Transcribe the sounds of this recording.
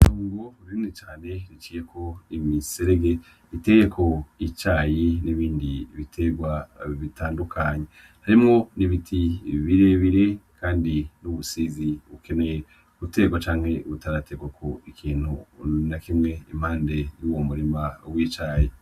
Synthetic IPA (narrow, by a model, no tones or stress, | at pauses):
tuːŋɡoɾinit͡ʃaːne̞ɾit͡ʃiːjekʰo̞imiseɾeɡe̞ | ite̞je̞kʰo̞it͡ʃaːjiniβiːndiβitʰe̞ɡwaβitaːndukʰaɲe | haɾimŋo̞niβitʰiβiɾe̞βiɾe̞kʰaːndinuβusiːziβuke̞ne̞je | βute̞ɡwat͡ʃaːŋhe̞βutaɾate̞ɡwakʰoikʰiːn̥hunakimŋe̞im̥aːnde̞juwo̞muɾimawit͡ʃaːji